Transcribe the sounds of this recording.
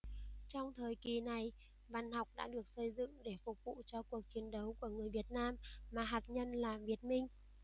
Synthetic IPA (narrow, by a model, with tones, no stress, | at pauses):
t͡ɕɔ˧wŋ͡mt̪ʰəː˨˩jki˨˩na˨˩j | va˧˩nha˨˩wk͡p̚ɗa̰ː˧˥ɗɨ˨˩ək̚sə˧jzɨ̰˧˨ŋɗe˧˩fʊ˨˩k͡p̚vṵ˧˨t͡ɕɔ˧ku˨˩ək̚t͡ɕi˨˦ənɗə˨˦wku˧˩əŋɨ˨˩əjvi˨˩ət̚naː˧mːaː˨˩ɦaː˨˩t̚ɲə˧nlaː˨˩vi˨˩ət̚mï˧ŋ̟